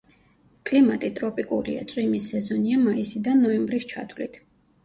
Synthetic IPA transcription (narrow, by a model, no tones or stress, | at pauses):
kʼlimat̪ʼit̪ʼɾɔpʼikʼulḭa̰t̪sʼwimisɛzɔniamaisid̪anːɔɛmbɾist͡ʃʰa̰t̪ʰwlḭt̪ʰ